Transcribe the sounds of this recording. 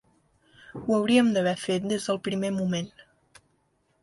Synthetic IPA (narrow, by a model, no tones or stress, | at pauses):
uəwɾiəmd̪əβ̞ɛfet̪̚d̪ezðəlˠpɾimemumen